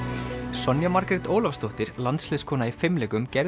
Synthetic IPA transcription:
sɔnjamaɾkɾɛt̪oːwlafst̪owht̪ɪɾ̥lant̪slɪðskʰɔːnaifɪmlɛːkʏmcɛɾ

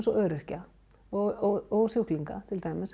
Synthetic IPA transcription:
nsɔʔœːɾɪr̥ca | ɔɔɔɣsjowkliŋka̰t̪ʰɪlt̪aːjmɪs

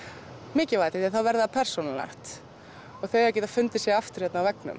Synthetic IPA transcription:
mɪːcɪvat̪ɪðɛnθawvɛɾðaðapʰɛɾr̥sɔnala̰ht̪ | ɔɣθœɥaɾcɛːt̪afʏnt̪ɪ̥sjɛaft̪ʏɾ̥jɛt̪nawvɛknʏ̰m

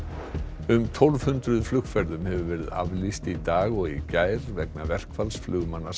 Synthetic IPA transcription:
ʏmt̪ʰɔlv̥hʏnt̪ɾʏðflʏxfɛɾðʏmhɛvʏvɛːɾɪða̰vlist̪it̪aːɣɔɣicaːjɾvɛk̚navɛr̥kfalsflʏːɣmanːa

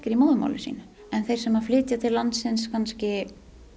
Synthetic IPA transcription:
cɪɾimoːwðʏma̰wlɪsḭːnʏ | ɛnθejɾ̥sɛmhaɾflɪːt̪jat̪ʰɪlːant̪sɪnskʰanscɪ

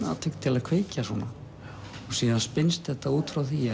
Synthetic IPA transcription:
a̰t̪ʰʏk̪t̪ʰːɪlaðkʰveːjcasɔ̰na | ɔsiːðanspɪnst̪θɛht̪auːt̪fɾawθi

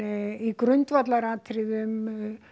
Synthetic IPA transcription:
ikɾʏnt̪vat̪laɾaːt̪ʰɾɪðʏm

